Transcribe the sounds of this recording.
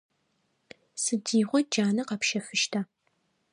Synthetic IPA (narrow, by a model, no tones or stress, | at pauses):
sɨdiːʁʷɔd͡ʒaːnɐqɐpʃɐfɨʃtʰa